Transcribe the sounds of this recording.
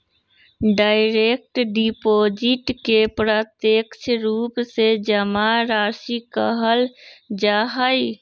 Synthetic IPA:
ɖaɪɾek̚ʈɖipod͡ʒiʈkepɾət̪jekt͡ʃʰɾuːpsed͡ʒəmaɾaʃikəɦəld͡ʒaɦəj

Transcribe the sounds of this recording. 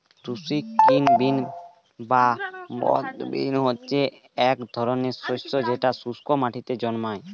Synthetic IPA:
t̪usikːinbin | babɔ̰t̪bḭnɦotːɕʰe | ɛkd̪ʱɔɾoneɾsost̪od͡ʑeʈasuskomaʈʰit̪ed͡ʑɔnmae

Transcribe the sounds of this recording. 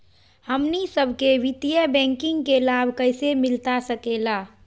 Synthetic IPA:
həmnisəbʱkeʋɪt̪ijəbɛ̃ːŋkɪ̃ŋɡkelabʱkəɪsemɪlt̪asəkeːlaː

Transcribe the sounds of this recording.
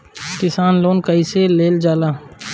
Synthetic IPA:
kɪsaːnloːnkəiseleːld͡ʒaːlaː

